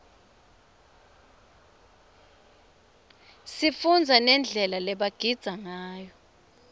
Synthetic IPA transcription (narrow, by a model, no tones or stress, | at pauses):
sifund͡zʱanɛnd͡ɮʱɛlalɛɓaɡ̥ʱid̥z̥ʱaŋaːjɔ